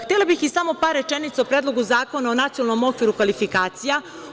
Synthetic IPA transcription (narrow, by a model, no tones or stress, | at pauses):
t̪elˠabixisamo̞paɾːe̞t͡ʃenit̪saopɾed̪lˠo̞ɡuzaːko̞naonat̪sijoalˠno̞mo̞kʋiːɾukʋalifikaːt̪sija